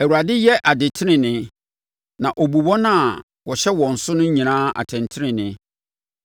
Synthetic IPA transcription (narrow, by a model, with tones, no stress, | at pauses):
æ˨wu˨ɾa˨dɪ˦jɛ˦ʔa˨dɪ˨tʰɪ˦ɾɪ̃˨nɪ̃˦ | nã˨ʔɔ˨bu˨wɔ̃˦nã˦˨ | wɔ˨ɕɛ˦wɔ̃˨n̩˨sʊ˦nʊ̃˦ɲĩ˨nãː˦a̰˨tʰɛ̃˨ntʰɪ˦ɾɪ̃˨nɪ̃˨